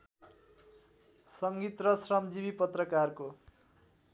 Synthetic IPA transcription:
sʌŋɡit̪rʌsrʌmd͡zibipʌt̪rʌkarko

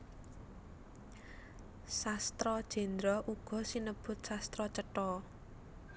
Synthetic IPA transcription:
sast̪ɾɔd̥ʒ̥ɛ̤nd̪ɾɔʔuɡ̥ɔ̤sinəb̥ʊ̤t̪̚sast̪ɾɔt͡ʃəʈɔ

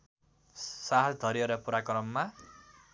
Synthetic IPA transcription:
saɦʌtd̪ʱʌɾieɾʌpuɾakrʌmːa

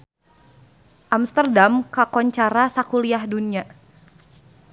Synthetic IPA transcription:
ʔamst̪ərdamkakɔɲt͡ʃaɾasakuliahdunia

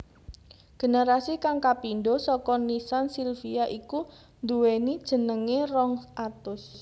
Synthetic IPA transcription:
ɡ̥e̤neɾasikaŋkapinɖosɔkɔnisansilfiaʔiku | nd̪uwenid̥ʒ̥ə̤nəŋerɔŋʔat̪ʊs

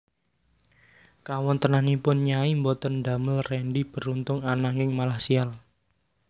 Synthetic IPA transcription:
kawɔnt̪ənanipʊnɲaimbɔt̪ənd̪a̤məlrɛnɖib̥ə̤ɾunt̪ʊŋanaŋɡɪŋmalasial

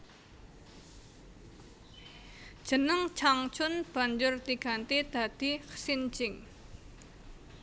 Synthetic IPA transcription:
d̥ʒ̥ə̤nəŋt͡ʃaŋt͡ʃʊnb̥a̤ɲd͡ʒʊrt̪iɡ̥a̤nt̪id̪̥a̤d̪̥i̤ksint͡ʃɪŋ

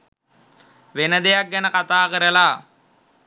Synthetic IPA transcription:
ʋenəd̪ejak̚ɡænəkat̪aːkəɾəla

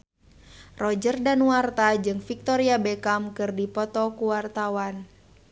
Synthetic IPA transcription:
rɔd͡ʒərdanwart̪ad͡ʒɨŋfik̚t̪ɔɾiabɛkamkɨrdipɔt̪ɔkuwart̪awan

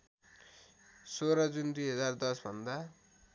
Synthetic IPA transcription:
soɾʌd͡zund̪ujɦʌd͡zard̪ʌsbʱʌnd̪a

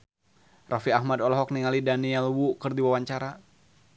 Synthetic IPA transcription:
rafiahmadɔlɔɦɔk̚niŋalidaniɛlwukɨrdiwawaɲt͡ʃaɾa

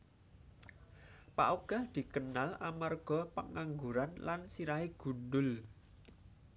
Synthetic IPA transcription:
pa̰ʔoɡ̥a̤hd̪̥i̤kənalamarɡ̥ɔ̤pəŋaŋɡuɾanlansiɾaɦeɡ̥ṳddʊl

